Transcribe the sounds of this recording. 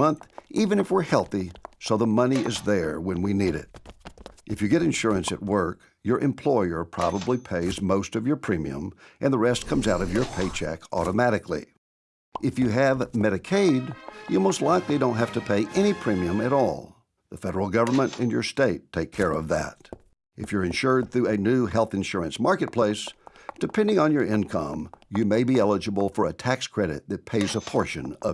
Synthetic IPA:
ʌ̃nθivɨ̃ñɨfwəɹhɛlˠθisoʊðəmʌniʔɪzðə˞wɨ̃nwiniɾɪ̰t̚ʔɨfjɨɡɛɾɨ̃nʃʊɹɨ̃nsɨ̰t̚wɜ˞k | jə˞ʔɨ̃mpʰl̥ɔɪə˞pʰɹ̥ɑbəblipʰeɪzmoʊstʌvjə˞pʰɹ̥ĩmḭɨ̰̃mʔɨ̃nðəɹɛstkʰʌ̃mzaʊɾʌvjə˞pʰeɪt͡ʃʰæ̰kɔ̰ɾəmæɾɨklḭ | ʔɨfjɨːvmɛɾɨkʰeɪdjɨmoʊstˡlaɪklidõʊ̃ntɦæftɨpʰeɪʔɛñipʰɹ̥ĩmiɨ̃mɨɾɔ̰lˠ | ðəfɛɾə˞l̩ˠɡʌvə˞mə̃ntɨ̰̃njə˞steɪtʰeɪkʰɛɹʌvðɨ̰ɾ | ʔɨfjə˞ɨ̃nʃʊɹd̪̚θɹʉɨnʉɦɛlˠθɨ̃nʃʊɹɨ̃nsmɑɹkɨt̚pʰl̥eɪsd̥ɨpʰɛ̃ndɪ̃ŋə̃njə˞ɪ̃nkʰʌ̰̃mjɨmeɪbiɛlˠəd͡ʒɨbl̩ˠfə˞ɨtʰækskʰɹ̥ɛɾɨ̰t̪̚ðɨt̚pʰeɪzəpʰɔɹʃɨ̰̃nʌ̰

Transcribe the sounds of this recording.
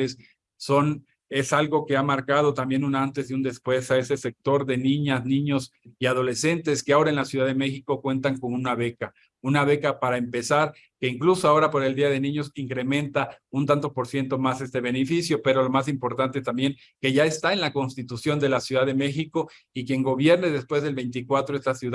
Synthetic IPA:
esː | o̞n | e̞salɣo̞ke̞amaɾkað̞o̞t̪ambje̞nunant̪e̞siund̪e̞spwe̞sae̞se̞se̞k̚t̪o̞ɾðe̞nĩɲasnĩɲo̞siaðo̞le̞se̞nt̪e̞skeao̞ɾae̞nlasjuðaðe̞me̞xiko̞kwe̞nt̪aŋko̞nunaβe̞ka | unaβ̞e̞kapaɾaempe̞saɾ | ke̞iŋklusoao̞ɾapo̞ɾe̞ld̪iað̞e̞nĩɲo̞siŋkɾe̞mẽ̞nt̪aunt̪ant̪o̞spo̞ɾsje̞nt̪o̞masest̪e̞β̞e̞nefisjo̞pe̞ɾo̞lomasimpo̞ɾt̪ant̪est̪ambjeŋ | ke̞ʝaest̪aenlako̞nst̪it̪usjo̞nd̪e̞lasjuðaðe̞me̞xiko̞ | ikje̞ŋɡo̞β̞je̞ɾneðe̞spwe̞zðe̞lβe̞jnt̪ikwat̪ɾoe̞st̪asju

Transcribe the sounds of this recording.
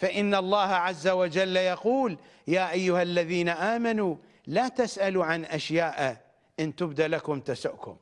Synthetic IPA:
faʔɪnːalˤːɑːhaʕazːawad͡ʒalːajɑquːl | jaːʔajːʊhalːaðiːnaʔaːmanu | laːt̪asʔaluʕanʔaʃjaːʔ | ʔɪnt̪ʊbd̪aʔlakʊmt̪asʊʔkʊ̰m

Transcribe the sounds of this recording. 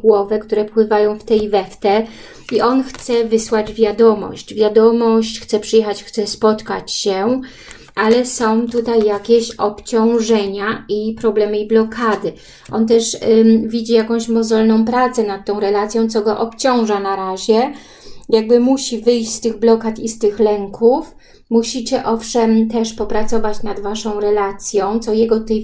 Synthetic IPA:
ɡwɔvɛkt̪uɾɛfpwɘvajɔ̃w̃ft̪ɛjivɛft̪ɛ | iʔɔnxt̪sɛvɘswad͡ʑvʲjad̪ɔmɔ̰ɕt͡ɕvʲjad̪ɔmɔɕt͡ɕxt̪sɛpʂɘjɛxat͡ɕxt̪sɛspɔt̪kat͡ɕɕɛ | ʔalɛsɔ̃w̃t̪ut̪ajːakʲeɕɔpt͡ɕɔ̃w̃ʐɛɲaipɾɔblɛmɘiblɔkʰad̪ɘ | ʔɔnt̪̬ɛʂvʲid͡ʑijakɔ̃w̃ɕmɔzɔlnɔ̃w̃pɾat̪sɛnat̪̚ːɔ̃w̃ɾɛlat̪sʲjɔ̃w̃t̪sɔɡɔʔɔpt͡ɕɔ̃w̃ʐanaɾaʑɛ | jaɡ̚bɘmuɕivɘjɕt͡ɕst̪ɘɣblɔkat̪ist̪ɘxlɛŋkʰuf | muɕit͡ɕɛʔɔfʂɛmt̪ɛʂpɔpɾat̪sɔvat͡ɕnad̪vaʂɔ̃w̃ɾɛlat̪sʲjɔ̃w̃t̪sɔjɛɡɔt̪ut̪aj

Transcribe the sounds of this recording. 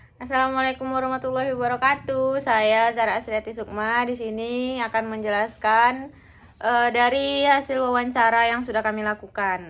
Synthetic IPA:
ʔasalamalakumwaɾɔhmat̪ulːaɦiwabəɾakat̪usajat͡ʃaɾaːsɾiat̪is̬uk̚madisiniakanməɲd͡ʒəlaskan | ʔədaɾiɦasilwawaɲt͡ʃaɾajaŋsudahkamilakukan

